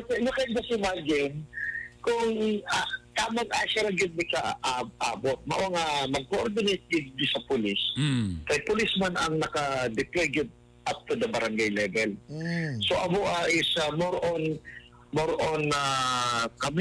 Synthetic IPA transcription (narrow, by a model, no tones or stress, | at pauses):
ɐt̪ɛjʊkɛnɡɐsɪmaɡɪnkʊŋat̪aːmɐŋʔaʃɐlɐɡɪd̪̚mɪkaʔaʔaːbot̪̚mɐ̰ʔoŋamɐɡ̚koʔoɾd̪ɪnejt̪̚ɡɪd̪̚d̪ɪsɐpʊliskɐjpʊlɪsmanɐŋnɐkɐd̪ɪplɛɡɪd̪̚ | ʔap̚t̪ud̪ɐbɐɾɐŋɡajlɛːvɛlsoʔɐmoʔaʔɪsɐmoɾon | moɾʔona | kɐm